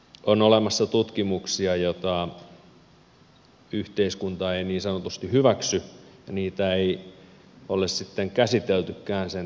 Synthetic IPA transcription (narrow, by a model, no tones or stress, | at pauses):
onolemɑsːɑt̪ut̪kimuksiɑjot̪ɑ | yht̪eiskunt̪ɑeiniːnsɑnot̪ust̪ihyʋæksyjɑniːt̪æei | olessit̪ːeŋkæsit̪elt̪ykːæːnsen